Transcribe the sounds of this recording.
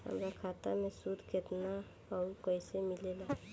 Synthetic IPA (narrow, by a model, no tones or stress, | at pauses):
ɦə̰mɾakʰat̪a̰mẽsud̪ʱket̪na | ɔːɾkəisemɪlela